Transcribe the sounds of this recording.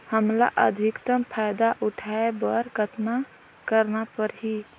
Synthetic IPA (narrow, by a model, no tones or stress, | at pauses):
həmla̰ʔə̰d̪ʱikt̪əmpʰajd̪aʔuʈʰaebəɾɡət̪na | kəɾnapəɾɦi